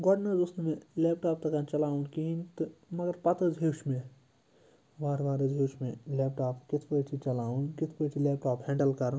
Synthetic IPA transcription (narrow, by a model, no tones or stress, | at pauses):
ɡɔɖnɐzusnmẽleːpʈaːp̚t̪ɐkant͡ʃɐlaːũnkiint̪ɨmɐɡɐɾpɐt̪əd͡ʒʱɦeːwʃmẽ | ʋaːɾʋaːɾəd͡ʒʱeːwʃmẽleːp̚ʰʈaːpkɪt̪ʰpəʈʰit͡ʃɐlaːũnkɪt̪ʰpəʈʰileːp̚ʈaːpɦɛ̃ːɳɖəlkɐɾ